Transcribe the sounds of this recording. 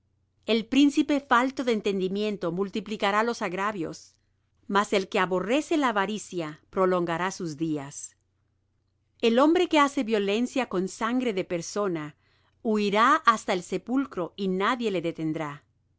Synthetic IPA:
e̞lpɾinsipe̞falt̪o̞ðeeːnt̪e̞nd̪imjẽ̞nt̪o̞mult̪iplikaɾalo̞saɣɾaβjo̞̰s | mase̞lke̞aβo̞re̞se̞laːβaɾisjapɾo̞lo̞ŋɡaɾasuzðias | elo̞mbɾe̞ke̞ase̞βjo̞le̞nsjako̞nsaŋɡɾe̞ðe̞pe̞ɾso̞na | uiɾaʔast̪aelse̞pulkɾo̞inaðje̞le̞ðet̪e̞nd̪ɾa

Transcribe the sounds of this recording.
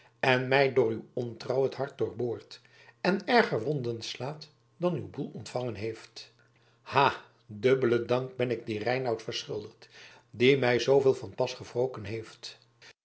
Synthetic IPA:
ɛnmɛjdʊːɹywɔntrɑwətɦɑɹt̚dʊːɹboːɹt | ɛnɛɹχəɹʋɔndənslaːt | dɑnywbulˠɔntfɑŋənɦejft | haː | dɵbələdɑŋk̚bɛnɪɡ̚dirɛjnɑwtfəɹsχɪ̰lˠdəχt | dimɛjzowveːlˠvɑnpɑsχəvrowkənɦejft

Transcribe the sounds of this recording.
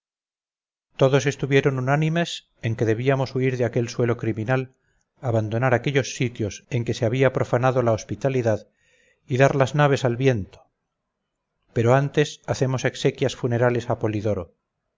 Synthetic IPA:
t̪o̞ðo̞se̞st̪uβje̞ɾo̞nunanimes | e̞ŋke̞ðe̞β̞iamo̞suiɾðeake̞lswe̞lo̞kɾimĩnal | aβand̪o̞naɾake̞ʎo̞sːit̪jo̞se̞ŋke̞seaβiapɾo̞fanaðo̞laospit̪aliðað | iðaɾlaznaβ̞e̞salβje̞nt̪o | pe̞ɾo̞ant̪e̞saθe̞mo̞se̞kse̞kjasfune̞ɾale̞sapo̞liðo̞ɾo

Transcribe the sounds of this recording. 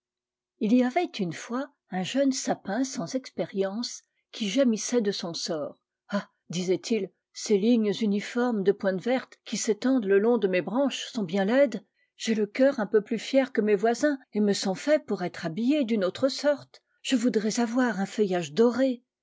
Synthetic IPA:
iliavɛt̪ynfwa | ɛ̃ʒœnsapɛ̃sɑ̃zɛkspeʁjɑ̃s | kʲʰiʒemisɛd̪əsɔ̃sɔːʁ | a | d̪izɛt̪ʰil | seliɲzynifɔʁmd̪əpwɛ̃t̪vɛʁt̪kʲiset̪ɑ̃d̪ləlɔ̃d̪əmebʁɑ̃ʃsɔ̃bjɛ̃lɛd̪ | ʒ̥eləkʲœʁɛ̃pøplyfjɛʁkəmevwazɛ̃eməsɔ̃fɛpuʁɛt̪χabijed̪ynot̪χəsɔʁt̪ | ʒ̥əvud̪ʁɛzavwaʁɛ̃fəjaʒd̪ɔʁe

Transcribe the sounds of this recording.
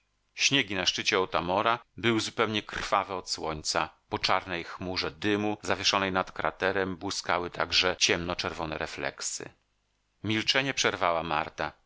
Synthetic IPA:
ɕɲeɡʲinaʂt͡ʂɘt͡ɕɛɔt̪amɔɾabɘwɘzupɛwɲɛkɾrfavɛɔt̪swɔɲt̪sapɔt͡ʂaɾnɛjxmuʐɛd̪ɘmuzavʲjɛʂɔnɛjnat̪kɾa̰t̪ɛɾɛmbwɘskawɘt̪ʰaɡʐɛt͡ɕɛmnɔt͡ʂɛɾvɔnɛɾɛflɛ̰ksɘ̰ | mʲilt͡ʂɛɲɛpʂɛɾvawama̰ɾt̪a

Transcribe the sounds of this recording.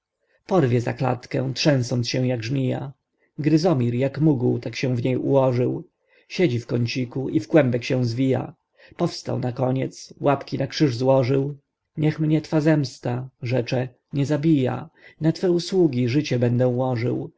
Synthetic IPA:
pɔɾvʲjɛza̰kla̰t̪kɛ̃w̃tʂɛ̃w̃sɔnt̪sɕɛw̃jaɡʐmʲija̰ | ɡɾɘzɔmʲiɾjakmuɡuwt̪akɕɛ̃w̃vɲejṵwɔʐɘw | ɕed͡ʑifkɔɲt͡ɕikuʔivɡwɛmbɛkɕɛ̃w̃zvʲija̰ | pɔfst̪a̰wnakɔɲɛt̪swapkʲinakʂɘʐzwɔʐɘw | ɲɛxmɲɛt̪fazɛmst̪aʐɛt͡ʂɛ | ɲɛzabʲija̰nat̪fɛuswuɡʲiʐɘt͡ɕɛbɛnd̪ɛuwɔʐɘ̰w

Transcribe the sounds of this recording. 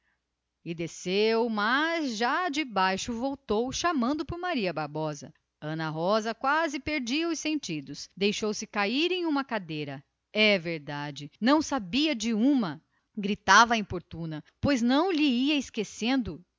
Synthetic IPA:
ɪd̪esewmɐzʒad͡ʒɪbajʃʊvowt̪owʃamɐ̃nd̪ʊpʊɾmaɾiɐbaɾbɔzɐ̰ | ɐ̃nɐɦɔzɐkwazɪpeɾd͡ʒiɐʊsẽnt͡ʃid̪ʊsd̪ejʃowsɪkaiɾẽj̃ũmɐkad̪ejɾɐ | ɛveɾd̪ad͡ʒɪnɐ̃w̃sabiɐd͡ʒɪũmɐ | ɡɾit̪avɐẽpoɾt̪ũnɐpojznɐ̃w̃ʎɪiɐɪskesẽnd̪ʊ

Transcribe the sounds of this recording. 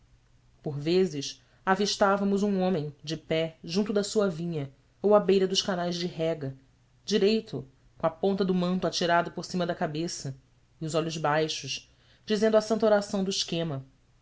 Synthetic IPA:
poɾvezɪʃ | aviʃt̪avɐmʊzũõmẽj̃d͡ʒɪpɛʒũnt̪ʊd̪ɐsuɐvĩɲɐ | owabejɾɐd̪ʊʃkanajzd͡ʒɪɦɛɡɐ | d͡ʒiɾejt̪ʊ | kõapõnt̪ɐd̪ʊmɐ̃nt̪ʊat͡ʃiɾad̪ʊpoɾsĩmɐd̪ɐkabesɐ | iʊzɔʎʊzbajʃʊʃ | d͡ʒizẽnd̪asɐ̃nt̪oɾasɐ̃w̃d̪ʊiʃkẽmɐ

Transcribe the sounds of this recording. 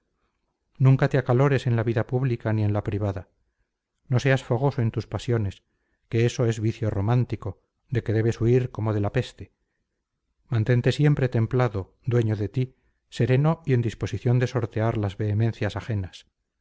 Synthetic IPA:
nũŋkat̪eakalo̞ɾe̞se̞nlaβiðapuβlikanie̞nlapɾiβ̞aða | no̞se̞asfo̞ɣ̞o̞soe̞nt̪uspasjo̞nes | ke̞e̞so̞e̞zβiθjo̞ro̞mãnt̪iko̞ | ðe̞ke̞ðe̞βe̞suiɾko̞mo̞ð̞e̞lape̞st̪e̞ | mãnt̪e̞nt̪e̞sje̞mpɾe̞t̪e̞mplaðo | d̪we̞ɲoðe̞t̪i | se̞ɾe̞no̞ie̞nd̪ispo̞siθjo̞nd̪e̞so̞ɾt̪e̞aɾlazβe̞ːmen̟θjasaxe̞nas

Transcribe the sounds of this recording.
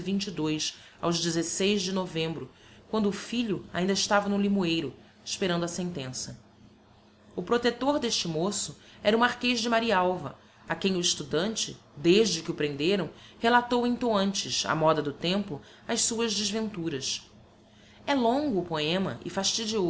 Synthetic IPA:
vĩɲt͡ʃid̪ojs | a̰wʒd͡ʒɪzesejzd͡ʒɪnovẽmbɾʊ | kwɐ̃nd̪ʊːfiʎʊa̰ĩnd̪ɪʃt̪avɐnʊ̃limuejɾʊ | ʃpeɾɐ̃nd̪ʊɐsẽnt̪ẽsɐ | ʊpɾot̪et̪oɾd̪eʃt͡ʃɪmosʊɛɾɐʊmaɾkeʒd͡ʒɪmaɾiɐawvɐ | akẽj̃ʊiʃt̪ud̪ɐ̃nt͡ʃɪ | d̪eʒd͡ʒɪkɪʊpɾẽnd̪eɾɐ̃w̃helat̪owĩnt̪oɐ̃nt͡ʃɪʃɐ̰mɔd̪ɐd̪ʊt̪ẽmpʊ | ɐjssuɐzd͡ʒɪzvẽnt̪uɾɐs | ɛlõŋɡʊːpoẽmɐ̰ʔɪ̰faʃt͡ʃid͡ʒio

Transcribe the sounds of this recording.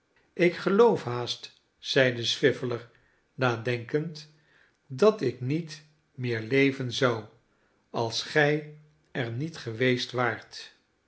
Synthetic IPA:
ɪkχəlowfɦaːst | z̥ɛjdəsʋɪfələɹ | naːdɛŋkənt | dɑtɪknit | mɪːɹlejvənzɑw | ɑlˠsχɛj | ɛɹnitχəʋejstʋaːɹt

